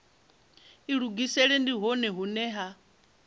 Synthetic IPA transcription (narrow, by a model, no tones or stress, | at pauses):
iɺuɡisɛɺɛndiɦɔnɛɦunɛɦa